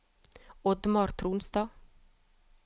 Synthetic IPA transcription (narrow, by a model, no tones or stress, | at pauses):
ɔd̪mɑɾt̪ʰɾuːnst̪ɑː